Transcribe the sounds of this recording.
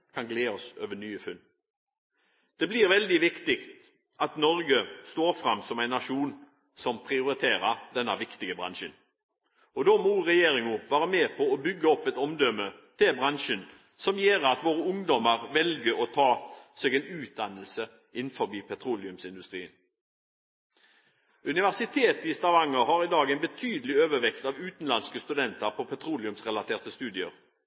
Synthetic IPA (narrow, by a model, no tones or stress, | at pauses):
kʰɑnɡleːɔsø̰ːʋənyːəfʉn | d̪̥ɛbliːɾʋɛld̪ɪʋɪkt̪ɪkt̪ | ʔɑt̪nɔɾɡəst̪oːɾfɾɑmːsɔmæɪnːɑʂuːn | sɔmpʰʁɪʊɾɪt̪ʰeːɾəɾd̪ɛnːəʋɪkt̪ɪɡəbʁɑ̰nʃən | ɔd̪oːmuɾɛjeːɾɪŋʊʋæːɾəmeːpʰɔɔbʏɡːəɔpːɛt̪ɔmd̪œmət̪ʰɪlbʁɑnʃən | sɔmjeːʁɑt̪ʋoːʁəʊŋd̪ɔməʁʋɛlɡəɾɔt̪ʰɑːseːɡɛɪnʉːt̪̚d̪ɑnːəlsə | ʔɪnfɔbiːpʰɛt̪ʰɾuːlɪʉmsɪnd̪ʉst̪ʁiːən | ʉnɪʋæʁsɪt̪ʰeːt̪ɪst̪ɑʋɑŋːəhɑʁɪd̪ɑːɡɛɪnbət̪ʰyːd̪əlɪøːʋəʋɛkt̪ɑʋʉːt̪nlɑnskəst̪ʉd̪ɛnt̪əʁpʰɔpʰɛt̪ʰɾuːlɪʉmsʁɛlɑt̪ʰeːʁt̪əst̪ʉːd̪ɪəʁ